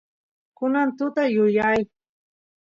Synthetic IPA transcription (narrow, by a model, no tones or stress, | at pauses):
kʊnant̪ʊt̪ajʊjaj